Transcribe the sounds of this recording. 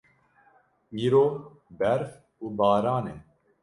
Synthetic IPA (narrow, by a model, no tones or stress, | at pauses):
iːɾoː | bɛɾf | uːbɑːɾɑːneː